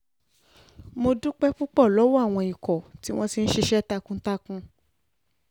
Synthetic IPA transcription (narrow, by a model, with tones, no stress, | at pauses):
mo˧du˦k͡pɛ˦fu˦k͡pɔ˦˨lɔ˨˦wɔ˦a˦˨w̃ɔ̃˧i˨kɔ˨ti˨˦w̃ɔ̃˦ti˧n̩˦ʃe˧ʃɛ˦ta˧kũ˧˦ta˧kũ˧